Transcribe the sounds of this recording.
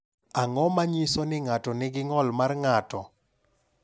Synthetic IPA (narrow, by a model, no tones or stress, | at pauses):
aŋɔmaɲisonɪŋatɔnɪɡɪŋɔlmarŋatɔ